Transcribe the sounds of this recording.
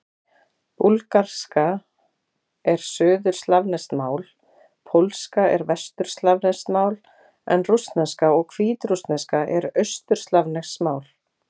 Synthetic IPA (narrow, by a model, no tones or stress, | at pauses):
pulkar̥ska | ɛɾ̥sœːðʏɾ̥st̪lavnɛst̪maːwl | pʰowlskaɛɾvɛst̪ʏɾ̥st̪lavnɛst̪maːwl | ɛ̰nrust̪nɛnskaɔɣkʰviːt̪ɾust̪nɛskaʔɛɾœɥst̪ʏɾ̥st̪lavnɛxsmaːwl